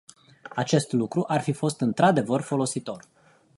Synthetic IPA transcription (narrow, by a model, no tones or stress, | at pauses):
at͡ʃe̞st̪lukɾuʔarfifo̞st̪ɨnt̪ɾad̪e̞vərfo̞lo̞sit̪o̞r